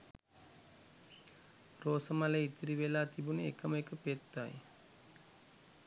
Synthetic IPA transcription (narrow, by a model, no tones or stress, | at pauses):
roːsəmaleit̪iɾiʋelaːt̪ibuneekəməekəpet̪ːaj